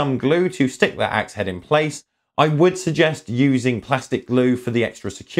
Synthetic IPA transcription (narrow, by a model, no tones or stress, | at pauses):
ʌ̃mɡlʉːtʰʉstɪk̚wə̰ʔa̰k̚shɛɾɪ̃npʰl̥eɪs | ʔaɪwəd̥səɡ̚d͡ʒɛstjʉːzɪ̃ŋpʰl̥astɪk̚ɡ̥lʉːfəðiɛ̰kstɹ̥əsɪ̥kʰj̥ɔ